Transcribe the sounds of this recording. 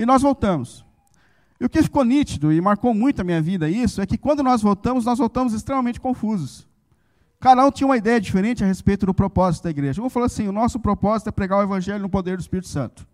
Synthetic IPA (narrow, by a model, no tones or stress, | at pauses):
ɪnɔzvowt̪ɐ̃mʊs | ɪʊkɪfi̥kownit͡ʃid̪ʊɪmaɾkowmũj̃t̪ʊɐmĩɲɐvid̪ɐisʊɛkɪkwɐ̃nd̪ʊnɔzvowt̪ɐ̃mʊznɔzvowt̪ɐ̃mʊzɪst̪ɾemɐmẽnt͡ʃɪkõfuzʊs | kad̪ɐũt͡ʃ̪ĩɲɐ̃ũmɐid̪ɛjɐd͡ʒifeɾẽnt͡ʃɪɐhespejt̪ʊd̪ʊpɾopɔzit̪ʊd̪ɐiɡɾeʒɐewfaloɐsĩʊnɔsʊpɾopɔzit̪ʊɛpɾeɡaɾʊevɐ̃ʒɛlʊnʊpod̪eɾd̪ʊɪspiɾit̪ʊ̥sɐ̰̃nt̪ʊ̥